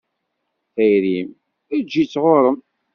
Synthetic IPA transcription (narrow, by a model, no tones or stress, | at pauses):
θæjɾim | æd͡ʒːit͡sːʁoɾˤəm